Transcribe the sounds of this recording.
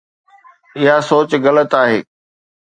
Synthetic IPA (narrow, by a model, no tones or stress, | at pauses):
ɪɦasoːt͡ɕɣɐlət̪aːɦeː